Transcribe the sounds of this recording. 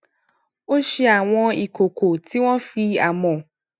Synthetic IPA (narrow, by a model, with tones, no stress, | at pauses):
o˦ʃe˧a˨w̃ɔ̃˧i˨ko˨ko˨ti˨˦w̃ɔ̃˦fi˧a˨mɔ̃˨